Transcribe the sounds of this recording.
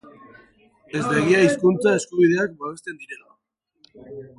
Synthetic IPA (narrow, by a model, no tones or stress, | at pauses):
e̞zβeɣ̞iaiskunt͡sae̞skuβiðe̞ak̚baβe̞st̪e̞nd̪iɾa